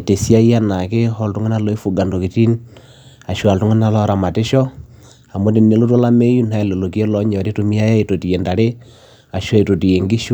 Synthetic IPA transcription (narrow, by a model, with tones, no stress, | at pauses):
te˨si˦a˦i˦a˦na˨ke˦hɔ˦ltu˦ŋa˦na˦lɔ˦e˦fu˨ɡa˨ndo˨ki˨ti˦n | a˨ʃwa˨ltu˦ŋe˦na˦˨lɔ˦ɾa˨ma˨te˦ʃɔ˦ | a˨mo˦t̬e˨ne˨˦lo˦to˦la˦me˦ju˦na˦ɛ˨le˨lo˨ke˦lɔ˦ɲɔ˨ɾe˦tu˨mi˦a˦ja˦e˨to˨ti˨je˨nda˨ɾe˦ | a˨ʃɔ˦e˨to˨ti˨je˨ŋɡi˦ʃu˦